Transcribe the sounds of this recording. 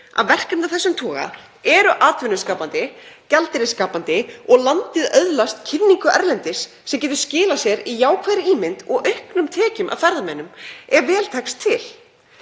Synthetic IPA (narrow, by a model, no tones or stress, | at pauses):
a̰ðvɛr̥kant̪aθɛsːʏmt̪ʰɔːɣa̰ | ɛɾʏʔaːt̪vʏnːʏskaːpant̪ɪcalt̪ɪɾɪskaːpant̪ɪɔɣlant̪ɪðœðlast̪cʰɪnːiŋkʏʔɛɾlɛnt̪ɪsːɛmcɛːt̪ʏɾ̥scɪːlasjɛɾijaːwkʰvaːðɾɪiːmɪnt̪ɔɣœhknʏmt̪ʰɛːcʏmʔa̰ðfɛɾðamɛnːʏmɛɾvɛːlt̪ʰajkst̪ʰːɪl